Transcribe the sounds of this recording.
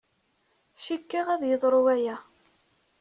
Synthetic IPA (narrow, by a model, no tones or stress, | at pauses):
ʃikːiʁæðjəðˤɾˤuwæjæ